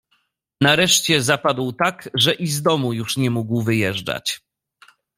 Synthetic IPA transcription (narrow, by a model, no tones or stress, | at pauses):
naɾɛʂt͡ɕɛzapad̪wt̪akʐɛʔizd̪ɔmujuʂɲɛmuɡwvɘjɛʐd͡ʐa̰t͡ɕ